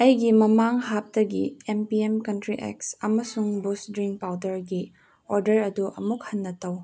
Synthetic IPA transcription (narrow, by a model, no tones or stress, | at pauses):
ɐjɡimɐmaŋhap̚tɐɡiempiemkɐntɾiʔḛksɐmɐsuŋbusdɾiŋk̚pawdɐɾɡi | oɾdɐɾɐduʔɐ̰muk̚hɐnːɐtɐw